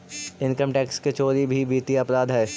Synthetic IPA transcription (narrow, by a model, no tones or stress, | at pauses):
ɪ̃nkəmʈɛːksket͡ʃoːɾibʱibʱiːt̪iɐpɾaːd̪ɦɛː